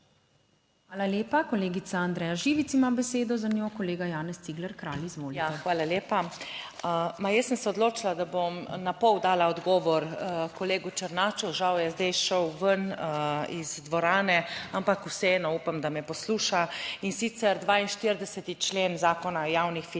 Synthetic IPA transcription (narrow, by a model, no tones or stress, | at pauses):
xʋaːlaleːpakɔleːɡit̪saand̪ɾɛːjaʒiːʋit̪simabɛseːd̪ɔzanjokɔleːɡajaːnɛst̪siːɡlɛɾkɾaːlizʋoːlijaɛxʋaːlaljeːpa | majəsːəmsɛɔd̪loːt͡ʃilad̪abomnapɔwd̪aːlaɔd̪ɡɔːʋɔɾkɔleːɡut͡ʃəɾnaːt͡ʃuʒawjɛzd̪ɛjʃɔwʋən | izd̪ʋɔɾaːnɛampakusɛɛnɔuːpamd̪amɛpɔsluːʃainsit̪sɛɾd̪ʋaːinʃt̪iɾd̪ɛsɛt̪it͡ʃleːnzaːkɔnajaːwnixfi